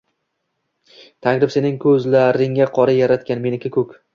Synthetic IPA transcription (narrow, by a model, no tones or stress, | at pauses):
t̪ʰaŋɾɪpse̞nɪŋkʰɵzlaɾɪŋaqʰɒɾajaɾat̪kʲanme̞nɪkʰʲɪkʰɵkʲ